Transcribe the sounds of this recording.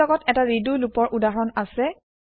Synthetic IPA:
ɔɡɔtɛtaɹidulupɔɹʔudaɦɔɹɔnasɛ

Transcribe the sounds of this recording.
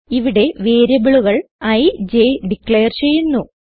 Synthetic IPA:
iʋiɽe̞ʋe̞ːɾɐbiɭuɣɐɭɐjd͡ʑeɖikɭejɐrt͡ɕe̞jːunːu

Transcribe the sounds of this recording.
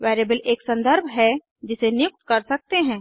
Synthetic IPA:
ʋɛːɾeːbəleːksɐ̃nd̪əɾbʱɦɛ | d͡ʒɪsenjʊk̚t̪kɐɾsɐk̚t̪eɦɛ̃ː

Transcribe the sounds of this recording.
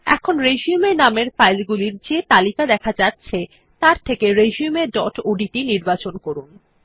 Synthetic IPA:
ɛ̰kʰonɾed͡ʑiumeɾnameɾfajlɡuliɾd͡ʑet̪alikad̪ɛkʰad͡ʑatːɕʰe | t̪aɾt̪ʰekeɾed͡ʑiumeɖɔʈoɖiʈiniɾbat͡ɕonkoɾun

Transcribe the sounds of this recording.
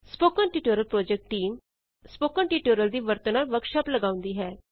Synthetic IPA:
spoːkənʈiːʈoːɾəlpɾɔːd͡ʒɛk̚ʈʈːiːm | spoːkənʈiːʈoːɾəld̪iːʋəɾt̪ənaːlʋəɾkʃaːpləɡaːʊ̃nd̪iːɦɛː

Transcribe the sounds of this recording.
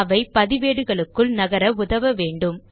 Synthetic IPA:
ʋɐɪpɐðɪʋeːɽɯɣɐɭɯkːɯɭnɐɣɐɾɐʊðɐʋɐʋeːɳɖɯm

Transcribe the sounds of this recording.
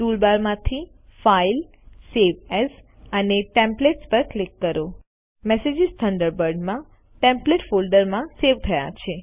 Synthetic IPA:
ʈulbaɾmãt̪ʰi | fail | seʋɛs | əneʈẽmpleʈspəɾklikːəɾo | mɛsed͡ʒist̪ʰəɳɖəɾbəɾɖmã | ʈẽmpleʈfolɖəɾmãseʋt̪ʰəja̰t͡ʃʰe

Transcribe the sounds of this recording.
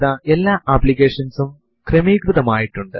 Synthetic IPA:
ðɐelːaːʔaːbliɣeːʂɐnsum | kremiːɡɾuðɐmaːjiʈːuɳɖɨ

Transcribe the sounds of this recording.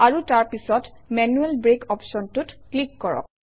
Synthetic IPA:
aɹutaɹpisɔtmɛnuɛlbɹekɔpsɔntutklikːɔɹɔ̰k̚

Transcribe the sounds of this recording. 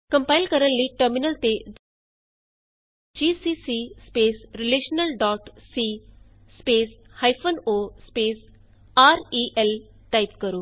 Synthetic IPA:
kɐmpaɪlkəɾənːiʈəɾminəlt̪e | d͡ʒiːsisispeːsɾileːʃnəlɖɔːʈsiː | speːshajpʰonospeːs | aːɾiʔel | ʈajpkəɾu

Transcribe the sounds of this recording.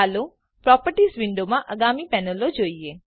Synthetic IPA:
alo | pɾɔpəɾʈisʋɪɳɖomãʔəɡamipɛnəlod͡ʒoie

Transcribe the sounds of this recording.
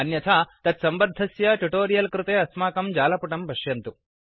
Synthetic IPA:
ɐnjɐt̪ʰaːt̪ɐt̪sɐmbɐd̪ʱɐsjɐʈuʈoːɾijɐlkɾɪt̪eːɐsmaːkɐmd͡ʒaːlɐpuʈɐmbɐɕjɐnt̪u

